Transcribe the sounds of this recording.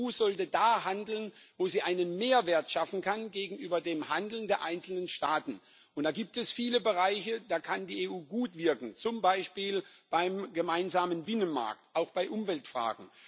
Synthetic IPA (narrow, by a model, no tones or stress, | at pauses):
uːzɔltədaːɦandl̩n | voːziːʔaɪnənmeːɐveːɐtʃafn̩kʰanɡeːɡŋ̩ʔyːbɐdeːmhandl̩n̩deːɐʔaɪnt͡sl̩nənʃtaːtn̩ | ʔʊntd̥aːɡiːp̚tɛsfiːləbəʁaɪçəd̥aːkʰandiːeːʔuːɡuːtv̥ɪɐkŋ̩t͡sʊmbaɪʃpiːlb̥aɪmɡəmaɪnzaːmənbɪnənma̰ɐk̚tʔaʊxb̥aɪʔʊmvɛltfʁ̥a̰ːɡŋ̩